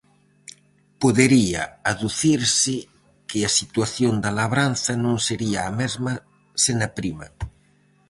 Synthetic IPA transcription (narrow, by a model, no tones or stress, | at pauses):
poðeɾia̰aðuθiɾsɪ | keasit̪waθjond̪alaβ̞ɾanθanõŋseɾiaːmɛzma | senapɾima̰